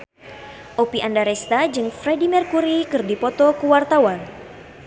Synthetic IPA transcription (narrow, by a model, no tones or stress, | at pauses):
ʔopiʔandaɾɛst̪ad͡ʒɨŋfɾedimɛrkuɾikɨrdipɔt̪ɔkuwart̪awan